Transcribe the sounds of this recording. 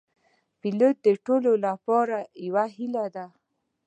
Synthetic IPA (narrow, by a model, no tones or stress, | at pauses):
pilot̪̚d̪əʈololapɔɾajawaɦilad̪a